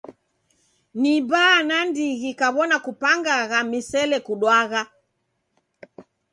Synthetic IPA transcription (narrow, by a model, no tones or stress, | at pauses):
nibaːnandiɣikaβɔnakupaŋɡaɣamisɛlɛkuɗwaɣa